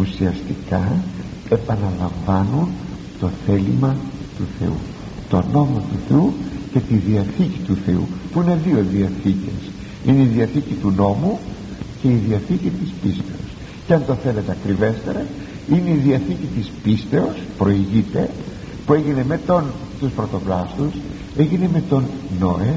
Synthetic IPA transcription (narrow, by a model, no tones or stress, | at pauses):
usiɐst̪ikɐ | e̞pɐnɐlɐɱvɐnun | t̪o̞θe̞limɐ | t̪uθe̞̰ṵ | t̪o̞no̞mo̞t̪uθe̞uce̞t̪iðiɐθicit̪uθe̞ṵpuine̞ðio̞ðiɐθice̞̰s | ineiðiɐθicit̪uno̞mu | ce̞iðiɐθicit̪ispist̪e̞o̞̰s | ceɐnt̪o̞θe̞le̞t̪eɐkɾive̞st̪e̞ɾɐ | ine̞iðiɐθicit̪ispist̪e̞o̞spɾo̞iʝit̪e | pueʝine̞me̞t̪on | t̪uspɾo̞t̪o̞plɐst̪us | e̞ʝine̞me̞t̪o̞nnoe